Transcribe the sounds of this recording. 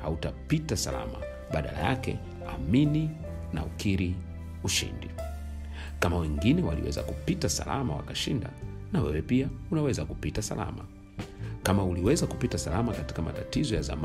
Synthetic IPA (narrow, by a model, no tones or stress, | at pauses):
hautapitasala̰ma | ɓaɗala̰jakɛ̰ | a̰mini | na̰ukiɾi | uʃḭndi | kamawɛŋɡinɛwalḭwɛ̰za̰kupitasa̰la̰mawa̰kaʃinda̰ | nawɛwɛpiaunawɛzakupitasa̰la̰ma | kamauliwɛzakupitasalamakati̥kama̰tatizɔjaza̰m